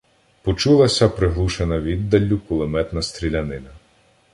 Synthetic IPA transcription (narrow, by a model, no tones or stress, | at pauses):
pɔt͡ʃulˠɐsʲɐpɾɪɦlˠuʃenɐʋʲid̪ːɐlʲːʊkʊlˠemɛt̪nɐst̪ɾʲilʲɐnɪnɐ